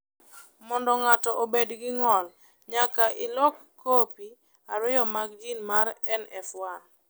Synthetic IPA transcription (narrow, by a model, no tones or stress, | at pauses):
mɔndɔŋatɔʔobedɡɪŋɔl | ɲakaʔɪlɔkːopi | aɾɪjɔmaɡ̚d͡ʒinmaɾɛnɛfwa